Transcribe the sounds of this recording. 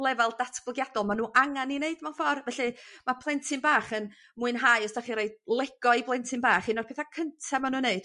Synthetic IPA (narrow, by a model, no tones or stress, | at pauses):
lˠɛvɛlˠdatʰb̥lˠəɡjadɔlˠmanuːʔaŋanineɨdmanfɔrvɛɬɨmapʰlˠɛntʰɪnbaːχən | muɨnɦajɔsd̥aχiɾeɨd̚lˠɛɡ̥ɔɨblˠɛntʰɪnbaːχinɔrpʰeːθakʰəntʰamanuːneɨd̥